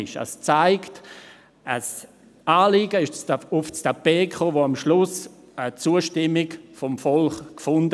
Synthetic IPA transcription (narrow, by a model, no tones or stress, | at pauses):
ɪʃə̰st͡saɪkt | əs | aːliɡəɪʃt͡sʊfstapeːkχoːvoːamʃlʊs | ət͡suːəʃtɪmɪkfɔmfɔlχkfʊnd